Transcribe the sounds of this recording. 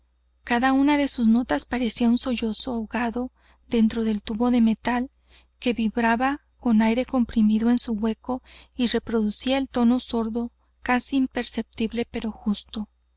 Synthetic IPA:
kaðaunaðe̞suzno̞t̪aspaɾe̞siaunso̞ʝo̞so̞oɣaðo̞ | ðe̞nt̪ɾo̞ð̞e̞lt̪uβo̞ðe̞me̞t̪al | ke̞βiβɾaβa | ko̞najɾe̞ko̞mpɾimiðo̞e̞nsuɣwe̞ko̞ire̞pɾo̞ðusiae̞lt̪o̞no̞so̞ɾðo̞ | kasiːmpe̞ɾse̞p̚t̪iβle̞pe̞ɾo̞xust̪o̞

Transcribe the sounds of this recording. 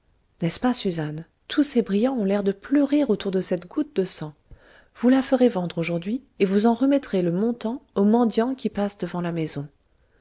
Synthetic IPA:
nɛspasyzan | t̪ʰusebʁijɑ̃ɔ̃lɛʁd̪əplœʁiʁot̪uʁd̪əsɛt̪ɡut̪̚d̪əsɑ̃ | v̥ulafəʁevɑ̃d̪ʁoʒuʁd̪ɥi | evuzɑ̃ʁəmɛt̪χeləmɔ̃t̪ɑ̃omɑ̃d̪jɑ̃kʲipasd̪əvɑ̃lamezɔ̃

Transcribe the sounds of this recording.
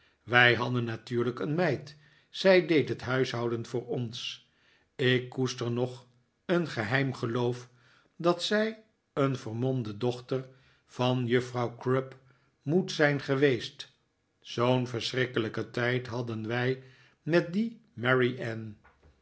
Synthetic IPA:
ʋɛjɦɑdənːatyːɹləkənmɛjt | sɛjdejtɦətɦœɥsɦɑwdənfʊːɹɔns | ɪkːustəɹnɔχ | ənχəɦɛjmχəlowf | dɑtsɛj | ənvəɹmɔndədɔχtər | v̥ɑnjəfrɑwkrəp | mutsɛjnχəʋejst | sownvəɹsrɪkələkətɛjtɦɑdənʋɛj | mɛt̚dimɛɹiʔɛn

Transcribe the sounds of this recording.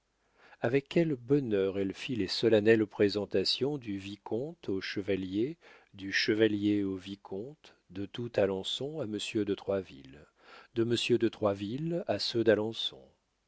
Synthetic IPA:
avɛkʲːɛlbɔnœʁɛlfilesɔlanɛlpχezɑ̃t̪asjɔ̃d̪yvikʰɔ̃t̪oʃəvalje | d̪yʃəvaljeovikʰɔ̃t̪ | d̪ət̪ut̪alɑ̃sɔ̃aməsjød̪ət̪χwavḭl | d̪əməsjød̪ət̪χwavilasød̪alɑ̃sɔ̰̃

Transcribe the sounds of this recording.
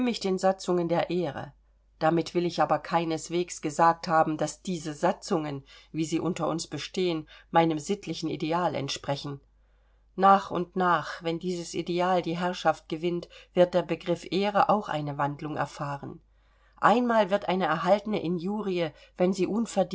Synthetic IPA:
mɪçd̥eːnzat͡sʊŋəndeːɐʔeːʁə̰ | d̥amɪtv̥ɪlɪçʔaːbɐkʰaɪnəsv̥eːksɡ̥əzaːk̚thaːbm̩d̥asd̥iːzəzat͡sʊŋənviːziːʔʊntɐʔʊnsb̥əʃteːənmaɪnəmzɪtʰlɪçn̩ḭdeaːlɛ̰ntʃpʁ̥ɛçn̩ | naːχʊ̰ntnaːχvɛndiːzəsʔḭdeaːldiːɦɛɐʃaft̚ɡ̥əvɪntv̥ɪɐt̚d̥eːɐbəɡʁɪfʔeːʁəʔa̰ʊxʔa̰ɪnəvandlʊŋɛ̰ɐfaːʁən | ʔaɪnmaːlvɪɐtʔaɪnəɛɐɦaltənəʔɪnjuːʁiə | v̥ɛnziːʔʊnfɛɐd

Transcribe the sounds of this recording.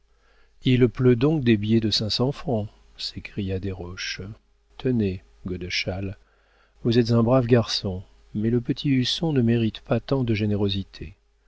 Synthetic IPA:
ilplød̪ɔ̃k̚d̪ebjɛd̪əsɛ̃sɑ̃fχɑ̃ | sekχijad̪eʁɔʃ | t̪ʰəne | ɡɔd̪əʃal | vuzɛt̪zɛ̃bʁavɡaʁsɔ̃ | mɛləpət̪ʰiysɔ̃nəmeʁit̪pat̪ɑ̃d̪əʒeneʁozit̪ʰe

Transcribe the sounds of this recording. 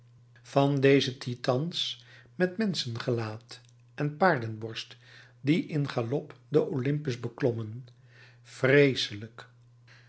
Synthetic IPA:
v̥ɑndejzətʰitɑnsmɛtmɛnsənχəlaːt | ʔɛnpaːɹdənbɔɹst | diʔɪnχalɔpdəʔolɪmpəzbəklɔmən | frejsələk

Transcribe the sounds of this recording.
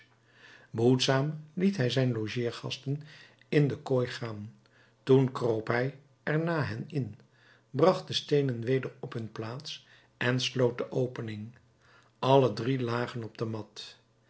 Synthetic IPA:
bəɦutsaːmlitɦɛjzɛjnloʒiːɹχɑ̰stən | ɪndəkojχaːn | tunkrowpɦɛj | ɛɹnaːɦɛnɪn | brɑχt̚dəstejnənʋejdəɹɔpɦɵnplaːts | ʔɛnslowt̚dəʔowpənɪŋ | ɑlədrilaːχənɔb̚dəmɑt

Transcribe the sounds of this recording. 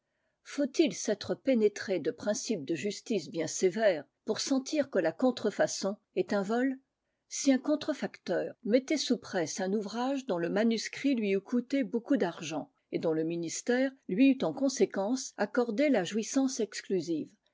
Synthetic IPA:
fot̪ilsɛt̪χəpenet̪χed̪əpχɛ̃sip̚d̪əʒyst̪isbjɛ̃sevɛːʁpuʁsɑ̃t̪ʰiʁkəlakɔ̃t̪χəfasɔ̃ | ɛt̪ɛ̃vɔl | siɛ̃kɔ̃t̪χəfakt̪œːʁmet̪esupχɛsɛ̃nuvʁaʒd̪ɔ̃ləmanyskχilɥiykʰut̪ebokud̪aʁʒɑ̃ | ed̪ɔ̃ləminist̪ɛʁlɥiyt̪ɑ̃kɔ̃sekɑ̃sakɔʁd̪elaʒwisɑ̃sɛksklyziːv

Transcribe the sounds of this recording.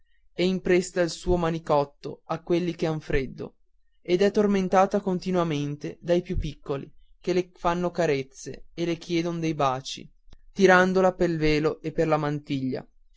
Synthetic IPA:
ɛimpɾest̪ailsuːomanikɔt̪ːo̰akːwelːikeaɱfɾed̪ːo̰ | ed̪ɛt̪ːorment̪aːt̪akont̪inwament̪ed̪ajpjupːikːolḭ | kelefanːokaɾet̪sːḛelek̟jɛːd̪ond̪ejbaːt͡ʃḭ | t̪iɾand̪olapelveːloʔepːerlamant̪iʎːa̰

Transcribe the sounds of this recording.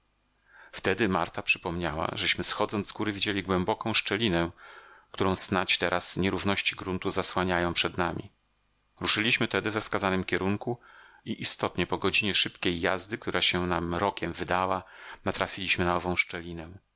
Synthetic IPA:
ft̪ɛd̪ɘmaɾt̪apʂɘpɔmɲawa̰ʐɛɕmɘsxɔd̪zɔnzɡuɾɘvʲid͡ʑelʲiɡwɛmbɔkɔ̃w̃ʂt͡ʂɛlʲinɛkt̪uɾɔ̃w̃snat͡ɕt̪ɛɾʔasɲɛɾuvnɔɕt͡ɕiɡɾunt̪uzaswaɲajɔ̃w̃pʂɛd̪namʲḭ | ɾuʂɘlʲiɕmɘt̪ɛd̪ɘvɛfskazanɘmkʲɛɾuŋkuiʔist̪ɔt̪ɲɛpɔɡɔd͡ʑiɲɛʂɘpkʲejːazd̪ɘkt̪uɾʔaɕɛnamɾɔkʲɛmvɘd̪awanat̪ɾafʲilʲiɕmɘnaɔvɔ̃w̃ʂt͡ʂɛlʲinɛ

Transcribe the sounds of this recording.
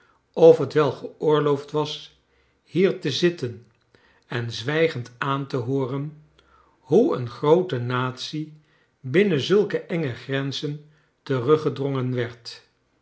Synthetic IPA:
ɔfɦətʋɛlˠχəʊːɹlowftʋɑs | hiːɹtəzɪtən | ɛnzʋɛjχəntaːntəɦoːrən | ɦuə̰nχrowtənaːtsi | bɪnənzɵlˠkəʔɛŋəχrɛnzən | tərɵχədrɔŋənʋɛɹt

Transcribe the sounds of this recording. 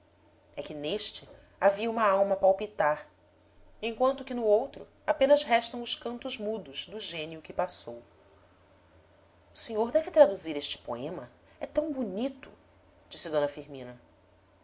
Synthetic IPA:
ɛkɪneʃt͡ʃɪ | aviɐũmɐawmɐpawpit̪aɾ | ẽj̃kwɐ̃nt̪ʊkɪnʊowt̪ɾʊ | apẽnɐzɦɛʃt̪ɐ̃w̃ʊʃkɐ̃nt̪ʊzmud̪ʊzd̪ʊʒẽniʊkɪpasow | ʊseɲoɾd̪ɛvɪt̪ɾad̪uziɾeʃt͡ʃɪ̥po̰ẽmɐ | ɛt̪ɐ̃w̃bunit̪ʊ̰ | d͡ʒisɪd̪õnɐfiɾmĩnɐ

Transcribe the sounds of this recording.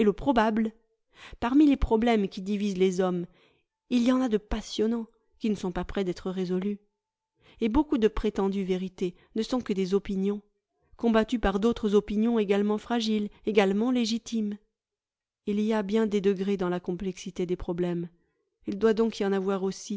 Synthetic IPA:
eləpχɔbabl | paʁmilepχɔblɛmkʲid̪ivizlezɔm | ilijɑ̃nad̪əpasjɔnɑ̃ | kʲinəsɔ̃papχɛd̪ɛt̪χəʁezɔly | ebokud̪əpχet̪ɑ̃d̪yveʁit̪e | nəsɔ̃kəd̪ezɔpinjɔ̃ | kɔ̃bat̪ypaʁd̪ot̪χəzɔpinjɔ̃eɡalmɑ̃fχaʒileɡalmɑ̃leʒit̪im | iliabjɛ̃d̪ed̪əɡʁed̪ɑ̃lakɔ̃plɛksit̪ed̪epχɔblɛm | ild̪wad̪ɔ̃kijɑ̃navwaʁosi

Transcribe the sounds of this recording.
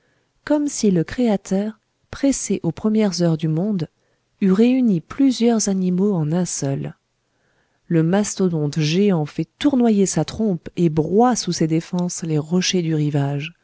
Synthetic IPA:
kɔmsiləkχeat̪œʁ | pχɛseʔopχəmjɛʁzœʁd̪ymɔ̃d̪ | yʁeyniplyzjœʁzanimoɑ̃nɛ̃sœl | ləmast̪od̪ɔ̃d̪ʒeɑ̃fɛt̪uʁnwajesat̪χɔ̃pebʁwasused̪efɑ̃sleʁɔʃed̪yʁivaʒ

